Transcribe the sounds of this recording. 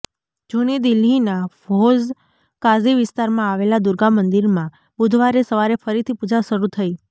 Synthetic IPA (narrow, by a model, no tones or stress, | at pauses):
d͡ʒunid̪ɪlːinafoz | kaziʋɪst̪aɾmãaʋelad̪ʊɾɡamːənd̪iɾmã | bʊd̪ʱʋaɾesəʋaɾefəɾit̪ʰipud͡ʒaʃəɾut̪ʰəi